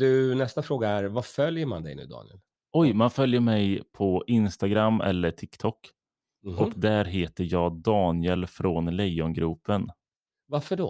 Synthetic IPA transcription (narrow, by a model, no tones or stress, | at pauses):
d̪̥ɵnɛst̪afɾoːɡaæɾvafœljəɾma̰nd̪ɛ̰jnʉ̟ːd̪ɑ̰ːnɪɛ̰l | ʔɔjmanfœljəmɛjpʰɔʔɪnst̪aɡɾamːɛ̰lːəʈʰɪkt̪ʰɔkː | ʔɔkd̪æɾɦeːt̪əjɑːd̪ɑːnɪəlfɾoːnlɛjːɔnɡɾʉːpːən | vaɾfəɖo̰ː